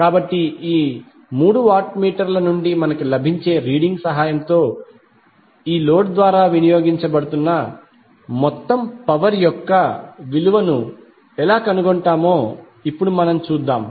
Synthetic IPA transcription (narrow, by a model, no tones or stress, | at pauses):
kaːbɐʈːiiː | muːɽuʋaːɾʈmiːʈɐɾlɐnuɳɖimɐnɐkulɐbʱiɲt͡ʃe̞ːɾiːɽiŋɡsɐɦaːjɐmt̪o̞ː | iːloːʈd̪ʋaːɾaːʋinijo̞ːɡiɲt͡ʃɐbɐɽut̪unːɐ | mɔt̪ːɐmpɐʋɐɾjɔkːɐʋiluʋɐnu | ɛlaːkɐnuɡoɳʈaːmoː | ipːuɽumɐnɐmt͡ʃuːd̪ːaːm